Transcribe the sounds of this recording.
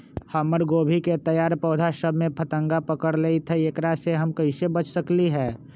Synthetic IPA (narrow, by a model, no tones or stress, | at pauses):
həməɾɡoːbʱiket̪əjaːɾpɔːd̪ʱaʃəbʱmẽpʰət̪ə̃ŋɡapəkəɾleit̪ʰeeːkɾaseɦəmkəɪsebət͡ʃsəkliɦɛː